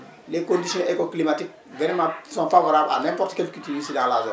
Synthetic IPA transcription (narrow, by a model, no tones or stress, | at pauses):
lekɔ̃ndisijɔ̃ʔekɔklimatik̚ | vɛɾɛmãsɔ̃fabaɾaanɛ̃mpɔɾtkɛlkitimĩsidãlazɛ̰